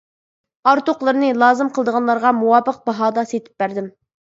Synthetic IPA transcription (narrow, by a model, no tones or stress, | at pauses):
ɑɾt̪oqlˠɨɾnɨlˠɑːzɨmqəlˠd̪əʁɑnlˠɑɾʁɑmuwɑːpəq̚bɑɦɑːd̪ɑset̪ʰɪ̥p̚bæɾd̪ɪm